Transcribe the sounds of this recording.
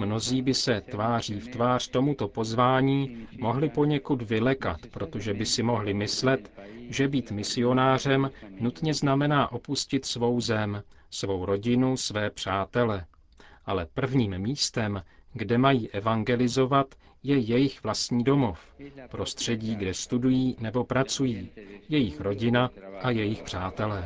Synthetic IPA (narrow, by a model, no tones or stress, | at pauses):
mno̞ziːbɪsɛt̪vaːr̝iːft̪vaːr̝̥t̪o̞mut̪o̞po̞zvaːɲiːmo̞ɦlɪpo̞ɲɛkud̪vɪlɛka̰t̪pɾo̞t̪o̞ʒɛbɪsɪmo̞ɦlɪmɪslɛt̪ʒɛbiːt̪mɪsɪo̞naːr̝ɛmnut̪ɲɛznamɛnaːʔo̞puscɪt̪svo̞wzɛm | svo̞wɾo̞ɟɪnusvɛːpr̝̥aːt̪ɛlɛ | ʔalɛpr̩vɲiːmmiːst̪ɛmɡdɛmajiːʔɛvaŋɡɛlɪzo̞vat̪ | jɛjɛjɪxvlast̪ɲiːdo̞mo̞fpɾo̞st̪r̝̥ɛɟiːɡdɛst̪udujiːnɛbo̞pɾat͡sujiːjɛjɪxɾo̞ɟɪnaʔajɛjɪxpr̝̥aːt̪ɛlɛː